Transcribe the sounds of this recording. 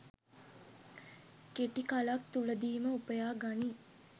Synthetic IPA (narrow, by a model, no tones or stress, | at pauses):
keʈikalakt̪uləd̪iːməupəjaːɡani